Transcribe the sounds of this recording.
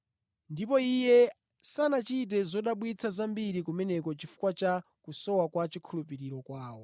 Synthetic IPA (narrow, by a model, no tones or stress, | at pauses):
ndipɔijɛ | sanat͡ʃit̬ɛzɔɗaɓwit͡sʰazambiɾikumɛnɛkɔt͡ʃifu̥kwat͡ʃa | kusɔwakwat͡ʃikʰulup̬iɾiɾɔkwaːwɔ